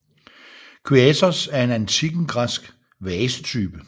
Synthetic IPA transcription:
kʰyɛsɐsæɐe̝nænt͡sʰiɡ̥n̩ɡ̥ʁasɡ̥ | ʋɛːsə̥t͡sʰyːb̥ə

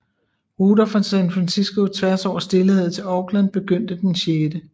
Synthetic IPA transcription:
ʁuːd̥ɐfʁansænfʁænsisɡ̥o̝t͡sʰʋæɐsɒʊ̰ɐsd̥e̝lhe̝ð̞̰ˠt͡sʰe̝lɒːɡ̥lænb̥e̝ɡ̥øn̰d̥əd̥enɕjeːd̥ə

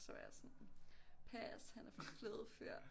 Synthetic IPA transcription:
sɒʋæɐsɒnpʰæshænæɐfɒfʰleːðˠføɐ̰̥

